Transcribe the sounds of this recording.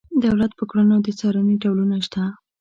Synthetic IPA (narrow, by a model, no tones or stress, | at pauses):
d̪awlat̪pəkɽanad̪ət͡sɑɾaniɖawlunaʃt̪a